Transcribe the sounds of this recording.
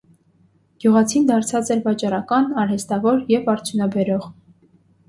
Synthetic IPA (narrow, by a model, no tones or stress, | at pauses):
ɡ̥juʁɑt͡sʰind̪ɑɾt͡sʰɑt͡sɛɾbɑt͡ʃɑɾɑkɑnɑɾhɛst̪ɑvɔɾjɛvɑɾt͡sʰjunɑbɛɾɔʁ